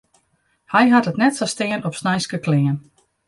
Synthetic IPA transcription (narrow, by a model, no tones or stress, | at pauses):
hɛjɦatətnɛtsɔstɪənɔpsnɛjskəklɪən